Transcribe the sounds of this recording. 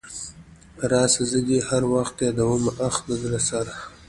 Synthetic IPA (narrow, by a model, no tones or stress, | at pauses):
ɾɑsazəɡehaɾwaxt̪jɑd̪awəmaʔaxd̪əd̪ɾasaɾa